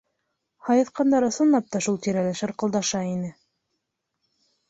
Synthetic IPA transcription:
hɑjɤ̆θqɑnd̪ɑɾɤ̆sɤ̆nlˠɑp̚t̪ɑʃulˠt̪iɾælæʃɘɾqɤ̆lˠd̪ɑʃɑinɘ

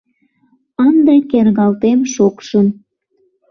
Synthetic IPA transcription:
ənd̪ɑkerɣɑlt̪emʃokʃən

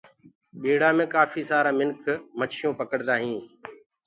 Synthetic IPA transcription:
ɓiːɽaːmẽːkaːfiːsaːɾaːmɪnkʰmət͡ʃʰɪjõːpəkəɽd̪aːɦĩː

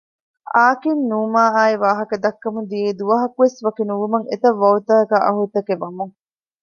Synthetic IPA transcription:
aːkinnuːmaːaːiʋaːɦɐkɐd̪ɐkːɐmud̪ijeːd̪uʋɐɦɐkuʋesʋɐkinuʋumɐŋḛt̪ɐʋːɐut̪ɐːɐkaːʔɐ̰ɦut̪ɐkeʋɐmuŋ

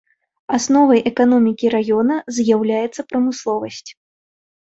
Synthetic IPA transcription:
asnɔvɐjʔɛkanɔmʲikʲiɾajɔnɐzjawlʲajɛt̪sːɐpɾɐmɨslˠɔvɐsʲt͡sʲ

